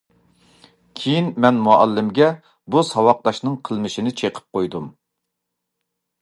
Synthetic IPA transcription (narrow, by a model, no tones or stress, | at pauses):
kʲʰejinmɛnmuɑlːɪmɡʲɛ | busɑwɑq̚d̪ɑʃnɨŋqʰəlˠmɨʃinɪt͡ʃʰeqʰə̥p̚qojd̪um